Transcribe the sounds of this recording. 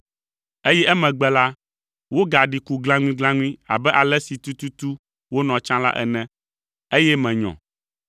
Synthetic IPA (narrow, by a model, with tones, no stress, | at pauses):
e˦jɛ˦ʔɛ˦mɛ̃˨ɡ͡bɛ˦la˦ | wo˦ɡa˨ɖi˨ku˨ɡlã˦ŋũ˦ĩ˦ɡlã˦ŋũ˦ĩ˦a̰˨bɛ˦ʔa˨lɛ˦si˨t̪u˦t̪u˦t̪u˦ | wo˦nɔ̃˨t͡ʃã˦la̰˦ʔɛ̰˨nɛ̃˦ | e˦jɛ˦mɛ̃˨ɲɔ̰̃˨